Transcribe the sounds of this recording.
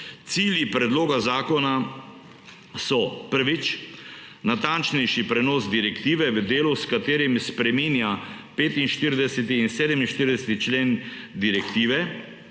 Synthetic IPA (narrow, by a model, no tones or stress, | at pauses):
t̪siːljipɾɛd̪loːɡazaːkɔna | sɔpəɾʋit͡ʃ | nat̪ant͡ʃnɛjʃipɾɛnɔːsd̪iɾɛkt̪iːʋɛʋəd̪eːluskat̪eːɾimspɾɛmiːnja | peːt̪inʃt̪iɾid̪ɛsɛt̪iːnseːd̪ɛminʃt̪iɾid̪ɛsɛt̪it͡ʃleːnd̪iɾɛkt̪iːʋɛ